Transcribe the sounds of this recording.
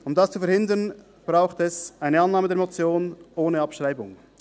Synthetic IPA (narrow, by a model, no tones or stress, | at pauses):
ʊmdast͡sufɛɾhɪndən | b̥ʁaʊxtɛsʔaɪnəanːaːmədɛɐɾmot͡sjoːnʔoːnəɑpʃʁaɪbʊ̰ŋ